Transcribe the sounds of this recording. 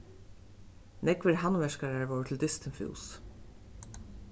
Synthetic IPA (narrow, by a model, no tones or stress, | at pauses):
nɛkʋɪɹɦanvɛʃkaɹaɹvowt̪ʰɪld̪ɪst̪ɪnfṵːs